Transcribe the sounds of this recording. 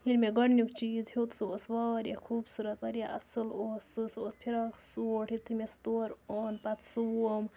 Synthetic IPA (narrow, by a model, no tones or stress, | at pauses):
hinmeɡɐɽnʲjukt͡ʃiːzɦhet̪soːsʋaːɾja̰kʰuːbsuɾɐt̪ʋɐɾjaʔɐsɨloːsɨsoːspʰiɾaksoːʈʰit̪ʰːimest̪oːɾoːnpɐt̪ʰsɨom